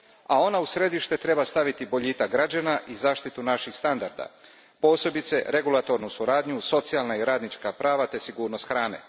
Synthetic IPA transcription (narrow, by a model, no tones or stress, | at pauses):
ao̞nausɾe̞d̪iʃt̪e̞t̪ɾe̞bast̪aʋit̪ibo̞ʎiːt̪aɡɾad͡ʑanaʔizaːʃt̪it̪unaʃixst̪and̪aɾd̪a̰ | po̞ːse̞bit̪se̞ɾe̞ɡulˠat̪o̞ɾnusuɾaːd̪ɲuso̞t̪sialˠnaiɾaːd̪nit͡ʃkapɾaːʋat̪e̞siɡuːɾnost̪xɾaːne̞̰